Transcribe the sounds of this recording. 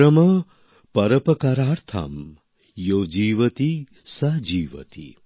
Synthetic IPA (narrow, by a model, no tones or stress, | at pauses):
ɐmɐ | pɐɾɐpɐkɐɾaːɾt̪ʰa̰m | joːd͡ʒiːʋɐt̪i | sɐd͡ʒiːʋɐ̰t̪ḭ